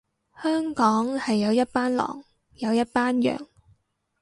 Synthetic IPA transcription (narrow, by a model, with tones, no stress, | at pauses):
hœː˥ŋkɔː˨˥ŋhɐ˨jːɐ˨˧wjɐ˥t̚paː˥nlɔ̰ː˨˩ŋ | jɐ˨˧wjɐ˥t̚paː˥njœ̰ː˨ŋ